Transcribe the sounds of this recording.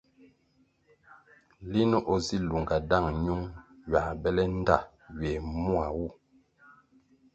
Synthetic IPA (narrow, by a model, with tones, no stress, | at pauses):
li˦nə˦ʔo˨zi˦lu˨ŋɡa˨da˦˨ŋɲu˦ŋɥa˨bɛ˦lɛ˦n̩˦da̰˦˨ | ɥe˨mu˦a˨wu˦˨